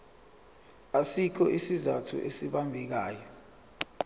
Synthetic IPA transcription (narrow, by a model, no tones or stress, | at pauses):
asikʰɔʔisizatʰṵʔesiɓambʱik̬aːjɔ